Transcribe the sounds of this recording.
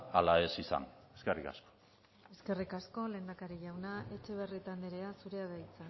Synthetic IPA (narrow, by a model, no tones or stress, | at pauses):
alae̞sisa̰neskerika̰sko̥ | e̞ske̞rikasko̞le̞ːnd̪akaɾiʝawnaʔe̞t͡ʃe̞β̞e̞rit̪and̪eɾe̞asuɾe̞aðajt͡sa